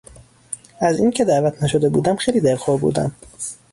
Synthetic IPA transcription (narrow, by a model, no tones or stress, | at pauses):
æziːncʰe̞d̪æʔvæt̪ʰnæʃo̞d̪ebuːd̪æmxejliːd̪eɾxoɾbṵːd̪æ̰m